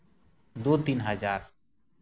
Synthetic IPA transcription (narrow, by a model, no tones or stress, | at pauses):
d̪oːt̪inɦəd͡ʒaːɾ